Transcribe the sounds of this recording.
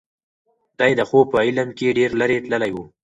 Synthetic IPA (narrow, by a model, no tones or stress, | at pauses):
d̪ɑjd̪əxopəilamkeɖeɾləɾeʈ̪ləlajwu